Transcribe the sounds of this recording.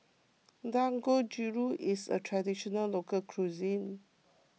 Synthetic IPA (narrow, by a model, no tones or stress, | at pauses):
dãŋɡod͡ʒuɹuʔisə̰tʰɹadiʃɔnəllokəkʰɹuzĩn